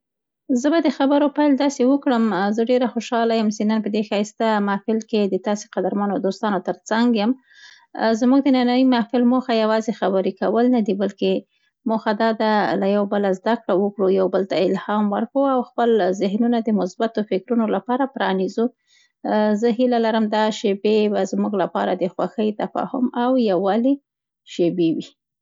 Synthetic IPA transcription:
zəbad̪əxabəɾopajld̪ɑsewəkɽəmzəɖeɾaxoʃɑlajəmsenənpəd̪exɑjst̪amɑfɪlked̪ət̪ɑse̥qad̪aɾmɑnod̪ost̪ɑnot̪əɾt͡saŋɡjəm | zmuɡd̪ənanaimafɪlmoxajawɑzexabəɾikawəlnad̪ibalke | moxad̪ɑd̪alajawbəlazd̪akɽawəkɽujawbəlt̪aɪlhɑmwəɾkawawxpəlzɪhnunad̪əmʊsbat̪ofɪkɾunolapɑɾapɾɑnizu | zəɦilalaɾəmd̪ɑʃebebazmuɡlapɑɾad̪əxwa̰xəjt̪afɑ̰hʊmawjawɑli | ʃebewi

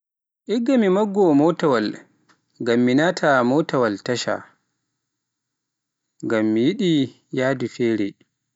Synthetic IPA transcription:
ʔiɡːamimaɡːɔmɔtawal | ɡamːinaːtʰamɔtawaltaʃa̰ | ŋɡamːijiɗi | jaːdufɛːɾɛ̰

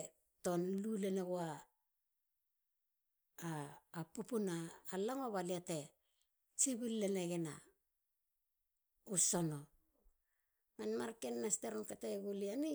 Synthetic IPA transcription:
to̞nluleneɡoa | pupunaːlaŋoβaliate̞ | t͡ʃiβulːeneɡena̰ | usono̞ | manmaɾkenːasteɾomkataɡuliani

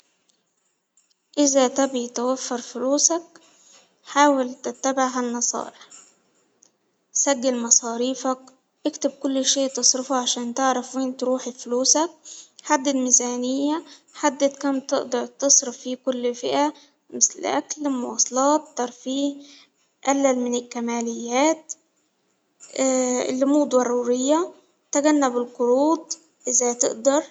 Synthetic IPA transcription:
ʔɪzat̪æbit̪awafːɑɾˤfʊluːsak̚ | ħaːwɪlt̪ɪt̪ːabɪʕɦanːɑsˤɑ̰ːɾɪħ | saɡːalmɑsˤɑːɾiːfak̚ | ʔɪkt̪ɪb̚kʊlːʃeːʔt̪ɨsˤɾɪfʕaʃæːnt̪ɪʕɾɑfweːnt̪ɾuːħɪfluːsak̚ħad̪ːɪd̪mizaːnɪjːaħad̪ːat̪kæmt̪ɪʔd̪ɑɾt̪ɑsˤɾɪfːiːkʊlːfɪʔæ | mɪslʔa̰klmʊwɑ̰ːsˤɑlɑːt̪ːɑɾˤfiːh | ʔælːælmɪnɪlkæmaːlɪjːæːt̪̚ | lːʊmuːd̪wɑrˤːuːɾɪjːa | t̪aɡænːabɪlqʊɾuːd̪̚ˤ | ʔɪzat̪ɪ̰ʔd̪ɑɾˤ

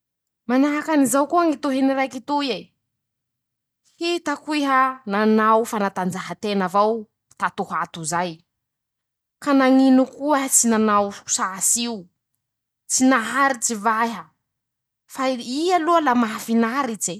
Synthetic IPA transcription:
manaɦakanizawkuaŋit̪oɦeniɾajkit̪uje | hit̪akuiɦananawfanat̪and͡ʒaɦat̪enavaw | t̪at̪uhat̪uzaj | kanaŋinukuat͡sinanawsasiu | t͡sinaɦaɾit͡sivaɦə | faialualamaɦafinaɾit͡se

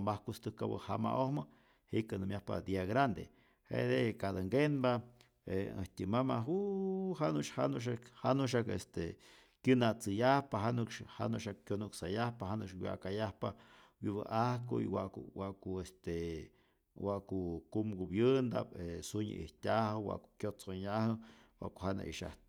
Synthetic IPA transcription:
mahkust̪ɨkabə̰hama̰ʔohmə | hikanɨmjahpa̰d̪iaɡɾand̪ḛ | hḛd̪ekad̪aŋɡenba | eə̰ht̪ʲimamauɦanuʃhanuʃ̬akhanuʃ̬akest̪e | kɨnat͡sɨjahpaɦanukʃha̰nuʃakːjonuksajahpahanukʃwia̰ʔkajahpa | wiβɨ̰ʔahkuḭwaʔkuwaʔkuest̪e | waʔkukumɡubjɨnd̪a̰pesuɲɨ̰ʔihtʲahɨwa̰ʔku̥kjot͡soɲahɨwa̰ʔkuhana̰ʔḭʃa̰ht̪̚

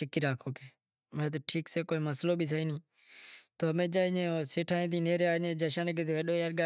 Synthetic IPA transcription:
t͡ʃɪkiːɾaːkʰoːkeː | mɛ̃ːt̪̬oːʈʰiːkseːkoːiməsloːbʱiːs̬aiːnĩː | t̪oːmẽːd͡ʒaːinẽːoseːʈʰãːẽːt̪ĩːneːɾeaːnẽːd͡ʒəʃaːneket̪ːeːɗoːjaɾɡaː

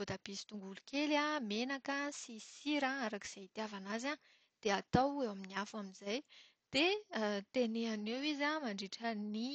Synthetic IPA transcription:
vod̪ab̥isi̥t̪uŋɡulukelamenakəsisiɾãaɾaki̥z̥eit̪iavanaza | d̪̥eat̪awewaminiafaminzaj | d̪̥et̪eneanewizamaɳɖ͡ʐeʈ͡ʂəni

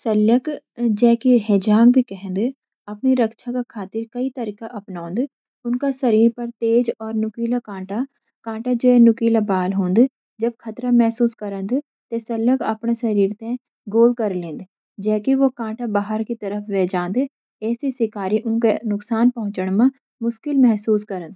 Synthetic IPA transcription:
sɐlːək | d͡ʒɛːkiɦɛːd͡ʒaːŋbʱikɛɦə̃nd̪ | ɐpniɾɐkʃʰakakʰaːt̪ɪɾkɐit̪ɐɾiːkaʔɐpnaːnd̪ | ʊnkasɐɾiːɾpɐɾt̪eːd͡ʒɔːɾnʊkiːlakãːʈa | kãːʈad͡ʒoːenʊkiːlabaːlɦõːnd̪ | d͡ʒɐb̚kʰɐt̪ɾamɛɦsuːskɐɾə̃nd̪ | t̪esɐləɡɐ̰pnesɐɾiːɾt̪ẽ | ɡoːlkɐɾlẽːnd̪ | d͡ʒɛːkiʋokãːʈabaːɦəɾkit̪ɐɾəfʰʋeːd͡ʒãːnd̪ | ɛːsisɪkaːɾiʔʊnkenʊksaːnpɐɦʊ̃t͡ʃəɽ̃mã | mʊʃkɪlmɛɦsuːskɐɾə̃nd̪

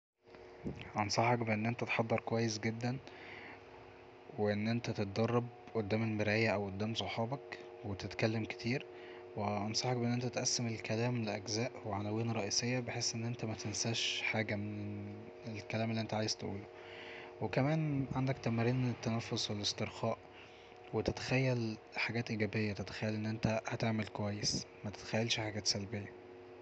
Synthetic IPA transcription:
ʔɑnsˤɑħɑkbeʔenːʔent̪æt̪ħɑd̪ˤːɑɾˤkowæjːesɡed̪ːæn | weʔenːʔent̪æt̪et̪̚d̪ɑrˤːɑb̚ | ʔod̪ːæːmelmeɾʔejːæʔæwʔod̪ːæːmsˤoħɑːbɑk | wet̪et̪kælːemke̥t̪ʰiːɾ | weʔɑnsˤɑħɑk̚beʔenːʔent̪æt̪ʔæsːemelkælæːmleʔæɡzæːʔweʕanæwiːnɾˤɑʔiːsejːæbeħeːsʔenːʔent̪æmæt̪ensæʃħaːɡæmene | elkælæːmelːiʔent̪æʕaːjezt̪ʔṵːlo | wekæmæːnʕand̪ækt̪æmæɾiːnet̪ːænæfːoswelest̪eɾxɑːʔ | wet̪et̪æ̥xæjːælħaɡæːt̪ʔiɡæːbejːæt̪et̪æ̥xæjːælʔenːʔent̪æhæt̪eʕmelkowæjːesmæt̪e̥t̪æ̥xæjːælʃħaɡæːt̪sælbejːæ

